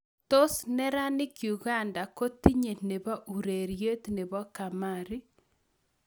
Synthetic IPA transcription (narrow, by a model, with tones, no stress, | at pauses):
to˦snɛ˦ɾa˦nɪ˦kju˨ɣa˦nda˨ko˦ti˦ɲe˨ne˨βɔ˦ʔu˨ɾe˨ɾje˦t̪ne˨βɔ˦ka˨maɾi˦